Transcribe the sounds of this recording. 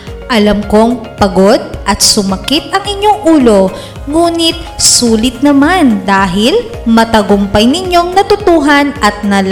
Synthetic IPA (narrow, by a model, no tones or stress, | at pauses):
ʔɐlɐmko̞ŋpɐɡo̞d̪̚ʔɐt̪̚sʊmɐkɪt̪̚ʔɐŋʔɪɲːo̞ŋʔuːlo̞ | ŋuːnɪt̪̚suːlɪt̪̚nɐmand̪aːɦɪl | mɐt̪ɐɡompɐjnɪɲːo̞ŋnɐt̪ʊt̪uːɦɐnʔɐt̪̚nɐl